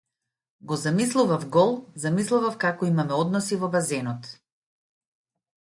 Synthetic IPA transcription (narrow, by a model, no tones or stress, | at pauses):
ɡɔzamis̬lˠuvafɡɔlˠzamislˠuvafkakɔimamɛɔd̪nɔsivɔbazɛnɔt̪